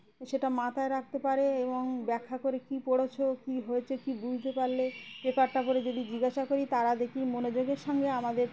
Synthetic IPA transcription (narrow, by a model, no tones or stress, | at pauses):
ʃeʈamat̪ʰaeɾak̚t̪epaɾeeboŋbɛkʰːakoɾekipoɽot͡ɕʰokiɦoet͡ɕʰekibud͡ʑʱt̪epaɾlepɾekaʈʈapoɾed͡ʑod̪id͡ʑiɡaʃakoɾit̪aɾad̪ekʰimonod͡ʑoɡeɾʃɔŋɡeamad̪eɾ